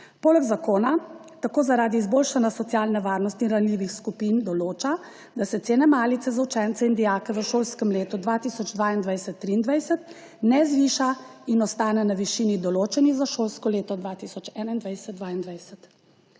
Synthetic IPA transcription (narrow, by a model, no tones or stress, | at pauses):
poːlɛɡzakoːnat̪akoːzaɾaːd̪iːzboːlʃanjasɔt̪sjaːlnɛʋaːɾnɔst̪inɾanliːʋixskupiːnd̪ɔloːt͡ʃa | d̪asɛt̪seːnɛmaːlit̪ɛzaut͡ʃɛnt̪sɛind̪ijaːkɛʋəʃoːlskəmleːt̪ud̪ʋat̪iːsɔd͡ʒd̪ʋaːind̪ʋajsɛt̪ːɾiːnd̪ʋajsɛt̪ | nɛzʋiːʃainɔst̪aːnɛnaʋiʃinid̪ɔloːt͡ʃɛniɣzaʃoːlskɔleːt̪ɔd̪ʋat̪isɔt͡ʃɛːnaind̪ʋajsɛt̪̚d̪ʋaːind̪ʋajsɛt̪